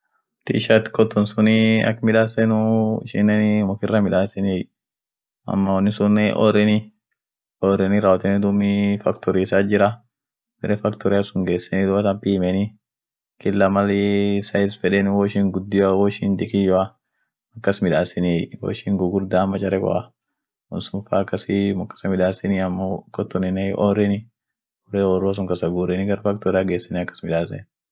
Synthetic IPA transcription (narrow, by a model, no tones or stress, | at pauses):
t̪ɪʃɐt̪ɪ̥kɔt̪ːɔnsʊnɪɐ̰kːmɪᶑaːsɛnʊɪʃɪ̰nːɛnmɔkɪrːɐmɪᶑaːsɛnej | ɐ̰mːɐwɔnːɪsʊnɛʔɔ̰ɾɪnɪ | ɔɾɪnɪɾɐwɔt̪ɛnɪd̪ʊmɪfɐkt̪ɔɾɪsaːd͡ʒɪɾɐ | bɛɾɛfɐkt̪ɔɾɪɐsʊŋɡeːsːɛnɪd̪ʊɐt̪ɐmpiːmɛnɪ | kɪlːɐmɐlsɐjɪsfɛᶑɛnwɔʃiŋɡʊd̪ːɪawɔʃind̪ɪkɪjɔa | ɐkːɐsmɪᶑaːsɛniwɔ̰ʃiŋɡʊɡʊɾd̪aːmɐt͡ʃɐɾɛkɔ̰ɐ | ʊ̰nsʊmfaːkːɐsɪmɐkːɐ̥sɐmɪᶑaːsɛnɪɐmːokɔt̪ːɔnɪnɛʔɔɾɪnɪ | ɔɾɛɔɾːʊɐs̬ʊŋkɐsɐɡuːɾɛnɪɡɐɾfɐk̚t̪ɔɾɪaɡeːsːɛnɪɐkːɐ̥smɪᶑaːsnɛ̰n